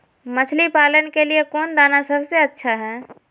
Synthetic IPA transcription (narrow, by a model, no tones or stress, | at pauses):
mət͡ʃʰlipaːlənkeliekoːnd̪aːnasəbseətːʃʰaɦɛ̃ː